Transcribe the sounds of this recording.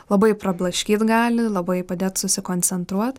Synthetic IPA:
lˠɐbɐɪpɾɐblˠɐʃʲkʲiːt̪ɡɑːlʲɪlˠɐbɐɪpɐd̪ʲeːt̪sʊsʲɪkoːnʲt͡s̪ʲɛnt̪ɾuɔt̪

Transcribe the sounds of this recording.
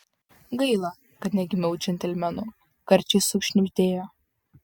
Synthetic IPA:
ɡɐɪlˠɐ | kɐt̪ʲnʲɛɡʲɪmʲɛʊt͡ʃʲɛnʲt̪ʲɛlʲmʲɛnʊ | kɐɾʲt͡ʃʲɪsʊkʃʲnʲɪpʲt̪ʲeːjoː

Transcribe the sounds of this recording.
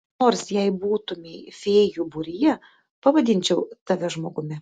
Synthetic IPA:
oːrsjɛɪbuːt̪ʊmʲɛfʲɛːjubʊɾʲɪjɛ | pɐʋɐd̪ʲɪnʲt͡ʃʲɛʊt̪ɐʋʲɛʒmoːɡʊmʲɪ

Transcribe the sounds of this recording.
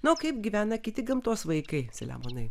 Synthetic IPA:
nʊkɐɪp̚ɡʲiʋʲæːnɐkʲɪt̪ʲɪɡɐmt̪uɔsʋɐɪkɐɪsʲɐlʲæ̰ːmoːnɐɪ

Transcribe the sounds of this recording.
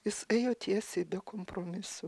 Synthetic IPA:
jɪsɛɪjoːt̪ʲiɛsʲebʲɛkoːmpɾoːmʲɪsʊ

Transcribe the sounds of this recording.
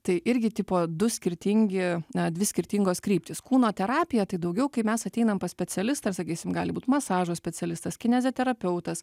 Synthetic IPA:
t̪ɐɪʔɪɾʲɡʲɪt̪ʲiːpoːd̪ʊsʲkʲɪɾʲt̪ʲiŋʲɡʲɪɐd̪ʲʋʲɪsʲkʲɪɾʲt̪ʲiŋɡoːskɾʲiːpʲt̪ʲɪskuːnoːt̪ʲɛɾɑːpʲɪjɛt̪ɐɪd̪ɐʊɡʲɛʊkɐɪmʲɛsɐt̪ʲɛɪnɐmpɐsʲpʲɛt͡sʲɛlʲɪst̪ɐɐsɐkʲiːsʲɪmɡɑːlʲɪbuːt̪mɐsɑːʒoːsʲpʲɛt͡sʲɛlʲɪst̪ɐskʲɪnʲɛzʲɛːt̪ʲɛɾɐpʲɛʊt̪ɐs

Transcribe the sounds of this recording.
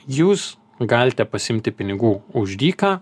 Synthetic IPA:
juːs | ɡɑːlʲɪt̪ʲɛpɐsʲɪmʲt̪ʲɪpʲɪnʲɪɡuːʊʒʲd̪ʲiːkɑː

